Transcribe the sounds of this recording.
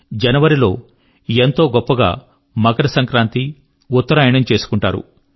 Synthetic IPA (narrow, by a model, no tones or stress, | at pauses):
d͡ʒɐnɐʋɐɾilo̞ː | ent̪o̞ːɡɔpːɐɡa̰ː | mɐɡɐɾɐsɐŋkɾaːnt̪i | ut̪ːɐɾaːjɐɳɐmt͡ʃe̞ːsu̥kuɳʈa̰ːɾṵ